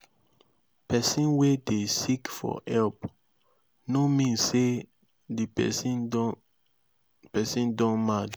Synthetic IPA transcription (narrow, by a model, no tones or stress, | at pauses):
pɛsĩnwedesikfɔ̰hɛlp | nomĩnse | di | pɛsĩndɔ̃nmad